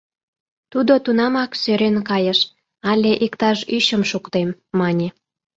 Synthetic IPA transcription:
t̪ud̪ot̪unɑmɑksøɾenkɑjəʃ | ɑlʲeʔikt̪ɑʃyɕə̆mʃukt̪emːɑnʲe

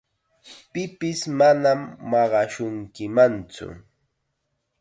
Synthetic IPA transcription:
pɪpɪsmanamːɑɢɑʃʊŋkɪmant͡sʊ̰

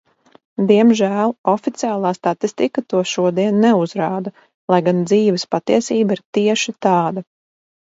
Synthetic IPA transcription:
d̪iɛmʒæːlˠɔfit̪siaːlˠɑːst̪at̪ist̪ikat̪uɔʃuɔd̪iɛnːɛuzɾaːd̪a | lˠajɡand̪ziːʋɛspat̪iɛsiːbaiɾt̪iɛʃit̪aːd̪a

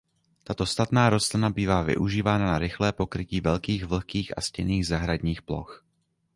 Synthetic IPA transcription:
t̪at̪o̞st̪at̪naːɾo̞st̪lɪnabiːvaːvɪ̰ʔuʒiːvaːnanaɾɪxlɛːpo̞kɾɪciːvɛlkiːɣvl̩kiːxʔa̰scɛniːɣzaɦɾadɲiːxplo̞̰x

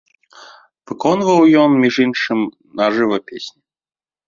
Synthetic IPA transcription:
v̥ɨkɔnvɐwjɔnmʲiʐɨnʂɨm | naʐɨvɐpʲesʲnʲi

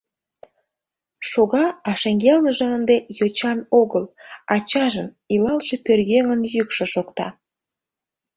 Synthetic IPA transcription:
ʃoɣɑɑʃeŋɡelnəʒɑənd̪ejot͡ɕɑnoɣəlɑt͡ɕɑʒən | ilɑlʃepørjeŋənjykʃeʃokt̪ɑ

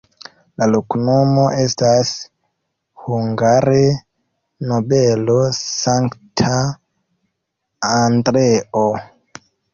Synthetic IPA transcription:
laloknomoʔestas | huŋɡaɾe | nobelosaŋktʰa | andɾeʔo

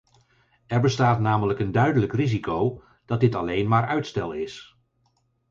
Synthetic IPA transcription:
ɛɹbəstaːtnaːmələkəndœɥdələkrizikow | d̥ɑt̚dɪtɑlejnmaːɹœɥtstɛlˠɪs

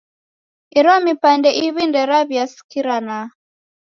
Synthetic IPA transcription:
iɾɔmipandɛʔiβindɛɾaβjasi̥kiɾana

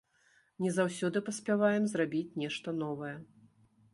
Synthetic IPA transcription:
nʲɛzawsʲɔd̪ɨpɐsʲpʲavajɛmzrabʲit͡sʲnʲɛʂt̪ɐn̪ɔvɐjɐ

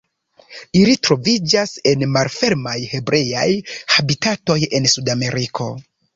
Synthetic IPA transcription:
ilitɾo̞vid͡ʒase̞nmalfe̞ɾmajhe̞bɾʔe̞ja̰jhabitato̞je̞nsudame̞ɾikʰo̞̰

